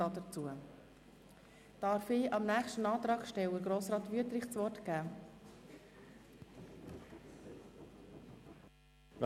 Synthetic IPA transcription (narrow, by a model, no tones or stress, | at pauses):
ɑdəɾt͡suə | d̥ɑɾfɪːɑmnæːχʃtənɑːt̪ɾɑːɡʃtɛwəɡɾoːsɾɑːt̪ʋyətɾɪχt͡sʋɔɾtkæː